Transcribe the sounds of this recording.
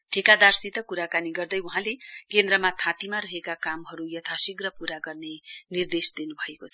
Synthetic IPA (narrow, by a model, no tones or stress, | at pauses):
ʈʰikad̪arsit̪ʌkuɾakaniɡʌrd̪ʌjuɦãlekend̪rʌmat̪ʰãt̪imaɾʌɦekakamɦʌɾujʌt̪ʰasiɡrʌpuɾaɡʌrnenird̪esd̪inubʱʌekot͡sʰʌ̥